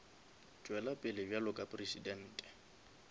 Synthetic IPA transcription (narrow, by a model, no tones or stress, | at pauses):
t͡ʃʼwɛlapʼɪlɪbjalʊkʼapʼresidɛn̩ːtʼɛ̥